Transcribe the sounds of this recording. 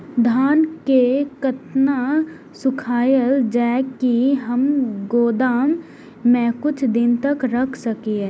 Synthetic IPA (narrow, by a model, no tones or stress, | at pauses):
d̪ʱaːnkekɐt̪na | sʊkʰaːjəld͡ʒaːkiɦɐmɡoːd̪aːmː | ɛ̃kʊt͡ʃʰd̪ɪnt̪ɐkɾɐkʰsɐkie